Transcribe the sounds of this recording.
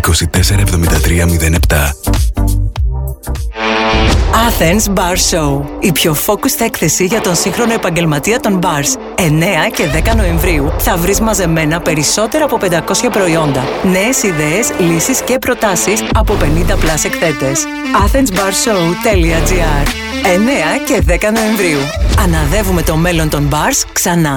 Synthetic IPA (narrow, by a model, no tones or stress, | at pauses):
iko̞sit̪e̞se̞ɾɐevðo̞mind̪ɐt̪ɾiɐmiðe̞ne̞pt̪ɐ̰ | ɐθensbɐɾsouipço̞fo̞kusθekθe̞siʝɐt̪o̞nsiŋxɾo̞no̞epɐɲɟe̞lmɐt̪iɐt̪o̞mbɐɾs | e̞ne̞ɐce̞ðe̞kɐno̞e̞ɱvɾiuθɐvɾizmɐze̞me̞nɐpe̞ɾiso̞t̪e̞ɾɐːpo̞pe̞nd̪ɐko̞sçɐpɾo̞io̞nd̪ɐne̞ːsiðe̞ːslisisce̞pɾo̞t̪ɐsisɐpo̞pe̞nind̪ɐplɐsekθe̞t̪e̞s | ɐθensbɐɾsout̪e̞liɐd͡ziɐɾ | e̞ne̞ɐce̞ðe̞kɐno̞e̞ɱvɾiuɐnɐðe̞vume̞t̪o̞me̞lo̞nt̪o̞mbɐɾsksɐnɐ